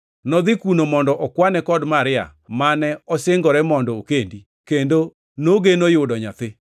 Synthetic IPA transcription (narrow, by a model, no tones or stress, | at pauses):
nɔd̪ɪkunomɔndɔʔɔkwanɛkɔdmaɾɪa̰manɛɔseŋɡɔɾɛmɔndɔokendi | kendo | noɡenojʊdɔɲa̰t̪ɪ